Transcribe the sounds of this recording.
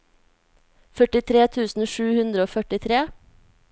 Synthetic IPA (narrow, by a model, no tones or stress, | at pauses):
fœʈɪt̪ʰɾeːt̪ʰʉːsn̩ʃʉːhʉnd̪ɾəoːfœʈɪt̪ʰɾeː